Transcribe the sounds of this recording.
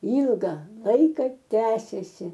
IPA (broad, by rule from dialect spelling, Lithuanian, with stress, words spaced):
ˈiːlˠɡɐ ˈlˠɐɪkɐ ˈtʲæːsʲeːsʲɪ